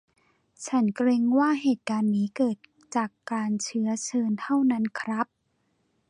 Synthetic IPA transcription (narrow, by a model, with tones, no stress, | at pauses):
t͡ɕʰa˦˥nkɾe˧ŋwaː˥˩ɦeː˨˩t̪̚kaː˧nːiː˦˥kɤː˨˩t̪̚ | t͡ɕaː˨˩kːaː˧nt͡ɕʰɯ˦˥ɐt͡ɕʰɤː˧nt̪ʰa˥˩wna˦˥nkʰɾa˦˥p̚